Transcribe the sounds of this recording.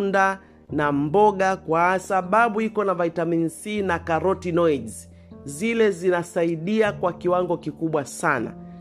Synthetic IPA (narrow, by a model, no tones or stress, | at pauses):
nda | nambɔɠakwaasaɓaɓuikɔnavaitaminsinakaɾɔtinɔiz | zilɛzinasaiɗiakwakiwaŋɡɔkikuɓwasana̰